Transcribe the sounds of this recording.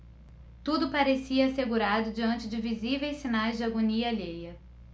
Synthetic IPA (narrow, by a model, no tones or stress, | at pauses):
t̪ud̪ʊpaɾesiɐːseɡuɾad̪ʊd͡ʒiɐ̃nt͡ʃɪd͡ʒɪvizivejsːinajzd͡ʒɪaɡoniɐaʎejɐ